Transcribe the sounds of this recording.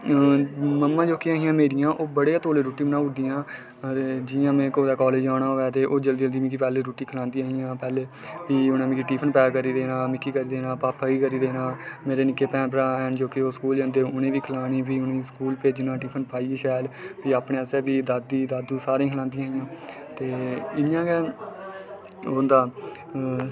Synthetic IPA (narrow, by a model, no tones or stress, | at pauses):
məmːãːd͡ʒoːkiaːɦijãːmeːɾɪjãːʔoːbəɽeãːt̪oːleːɾuːʈiːmənãːʊd̪iːãː | t̪ːd͡ʒɪjãːmɛ̃ːkoːd̪aːkɔːleːd͡ʒaːɽaːɦoːɛːt̪eːʔoːd͡ʒəld̪iəld̪iːmĩkiːpɛːleːɾuːʈiːkʰəlãːnd̪iːaːɦijãːpɛːleː | piːʊnãːmɪ̃kiʈiːpʰənpɛːkəɾiːd̪eːnãːmɪkːiːkəɾiːd̪eːnãːpaːpʰaːiːkəɾiːd̪eːnãːmeːɾeːnɪkːeːpɛ̃ːnpəɾãːənd͡ʒoːkioːskuːld͡ʒãːnd̪eːʊnẽːʋiːkʰlaːniːpiːʊnĩːskuːlpeːd͡ʒnãːʈiːpʰənpaːiːeːʃaːlpiːaːpɳeːəsɛːbiːd̪aːd̪iːd̪aːd̪uːsaːɾẽĩːkʰəlãːnd̪ĩːaːɦijãː | t̪eːɪjãːɡɛː | ʊ̃nd̪aː